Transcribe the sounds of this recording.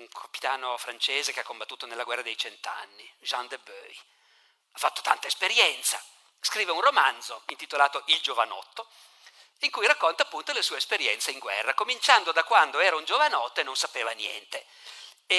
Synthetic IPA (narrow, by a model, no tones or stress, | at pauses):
uŋkʰopi̥t̪aːnofɾant͡ʃeːzekeakːombat̪ːuːt̪onelːaɡwɛrːad̪ejt͡ʃent̪oa̰nːiʒand̪ebø̰j | afːat̪ːo̥t̪ant̪aespeɾjɛnt̪sa̰ | skɾiːveunromand̪zoint̪it̪olaːt̪oʔild͡ʒova̰nɔ̰t̪ːo | iŋkujrakːont̪apːunt̪olesuːespeɾjɛnt̪seiŋɡwɛ̰rːakomint͡ʃand̪od̪akwand̪oɛːɾaund͡ʒovanɔt̪ːoenːonsapeːvanjɛ̰nt̪e | e